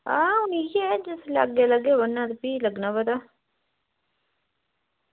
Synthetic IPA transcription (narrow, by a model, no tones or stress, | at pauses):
ãːʊnijed͡ʒɪsla̰ɡeləɡeːʋənːãt̪piːləɡnaːbəd̪aː